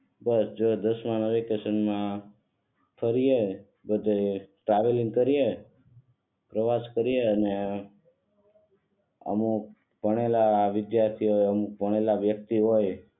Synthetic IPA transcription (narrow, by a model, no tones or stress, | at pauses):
bəsd͡ʒod̪əsmãnəʋikesənmã | fʰəɾije | bəd̪ʱeʈɾaʋeliŋɡkəɾie | pɾəʋaskəɾijeəne | ə̰muk | bəɽ̃elaʋɪd̪jaɾt̪ʰiɦoəmuk̚pəɽ̃elaʋjək̚t̪iɦoj